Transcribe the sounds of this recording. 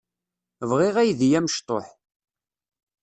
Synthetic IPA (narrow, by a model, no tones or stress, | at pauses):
vʁɪʁæjðjæmʃt̪ˤoħ